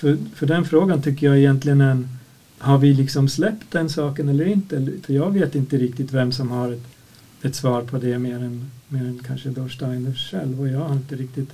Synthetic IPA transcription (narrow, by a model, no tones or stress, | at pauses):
fœfœɖɛnfɾoːɡant̪ʰʏkːəɾjɑɛjɛnt̪lɪɡənɛn | haɾvɪlɪksɔmslɛpt̪̚d̪ɛnsɑːkənɛlːəɾɪnt̪əɛlfœjɑːɡveːt̪ɪnt̪əɾɪk̚t̪ɪt̪vɛmsɔmhaɾɛt̪ | ɛt̪svɑːɾpʰɔd̪ɛmeːɾɛnmeːɾɛnkʰanʂəd̪oʂʈaɪnəʂɛ̰lvɔjɑːɡhaɾɪnt̪əɾɪk̚t̪ɪt̪